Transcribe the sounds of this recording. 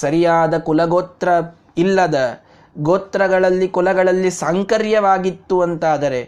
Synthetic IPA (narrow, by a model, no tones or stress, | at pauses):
sɐɾijaːd̪ɐkulɐɡoːt̪ɾɐ | ilːɐd̪ɐ | ɡoːt̪ːɾɐɡɐɭɐlːikulɐɡɐɭɐlːisaŋkɐɾjɐʋaːɡit̪ːuʋɐnt̪aːd̪ɐɾe̞